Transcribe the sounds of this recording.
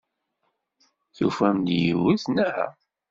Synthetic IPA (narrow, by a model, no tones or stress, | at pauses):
θufæmd̪jivuθnæhæ̰